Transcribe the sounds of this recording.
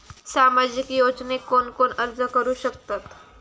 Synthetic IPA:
samad͡ʑikjod͡ʒnekonkonəɾd͡zəkəɾuːɕək̚t̪at̪

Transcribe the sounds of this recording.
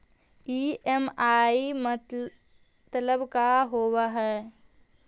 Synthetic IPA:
iemaːimət | t̪ləbkaɦoːwaɦɛː

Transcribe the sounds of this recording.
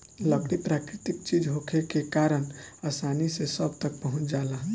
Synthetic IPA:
ləkɽipɾakɾɪt̪ɪkt͡ʃid͡ʒɦokʰekekaɾənasanisesəb̚t̪ək̚pəɦʊ̃t͡ʃd͡ʒaːlaɦ

